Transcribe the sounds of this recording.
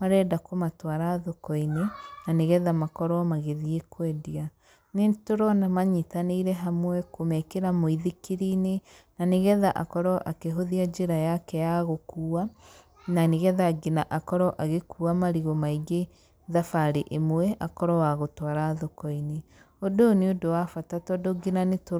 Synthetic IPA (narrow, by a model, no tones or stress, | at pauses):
maɾɛːdakomatwaɾaðokɔinenaneɣɛðamakɔɾɔmaɣeðiekwɛdia | netoɾɔnamaɲitaneiɾɛɦamwɛkomɛkeɾamoiðikiɾine | naneɣɛðaʔakɔɾɔʔakeɦoðiad͡ʒeɾajakɛjaɣokuːa | naneɣɛðaɡenaʔakɔɾɔʔaɣekuːamaɾiɣomaiɡe | ðafaɾeʔemwɛʔakɔɾɔwaɣotwaɾaðokɔine | odoneodowafatatɔdoɡenaneto